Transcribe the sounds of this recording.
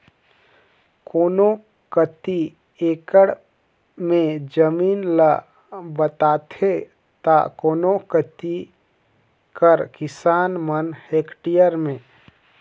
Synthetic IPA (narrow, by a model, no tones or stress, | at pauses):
koːno | kət̪i | eːkəɽ | mẽd͡ʒəmiːnlə | bət̪aːt̪ʰe | t̪a̰koːnokət̪i | kəɾkɪsaːnmənheːkʈijəɾmẽː